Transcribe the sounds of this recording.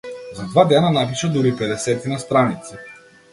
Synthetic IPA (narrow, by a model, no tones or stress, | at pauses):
zad̪vad̪ɛnanap̬iʃad̪uɾipɛd̪ɛsɛt̪inast̪ɾanit̪si